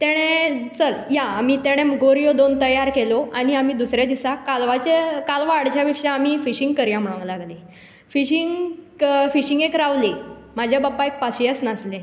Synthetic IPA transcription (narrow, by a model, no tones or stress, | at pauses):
t̪eɽ̃et͡səɾjaːmiːt̪eɽ̃emɡoɾijod̪ont̪əjaɾkeloaɽ̃iam̤iːd̪usɾjad̪isakalʋat͡ɕekalʋaːɽt͡ɕjaʋikʂaːmiːfiɕiŋɡkəɾjãm̤əɭãŋɡlaɡle | fiɕiŋɡ | fiɕiŋɡekɾaʋli | m̤ad͡ʑʱjababaek̚paɕiəsnasle